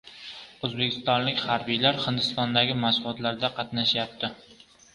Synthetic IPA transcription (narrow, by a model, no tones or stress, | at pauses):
ɵzbekʲʰɪ̥st̪ɒnlɪkʲhaɾbijlaɾhɪnd̪ɪst̪ɒnd̪aɡʲɪmasʊlˠɒt̪laɾd̪aqʰɑt̪naʃjap̚t̪ʰɪ